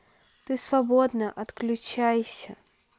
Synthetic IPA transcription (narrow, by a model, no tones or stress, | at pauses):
t̪ɨsvabɔd̪nɐʔɐt̪klʲut͡ɕajsʲɐ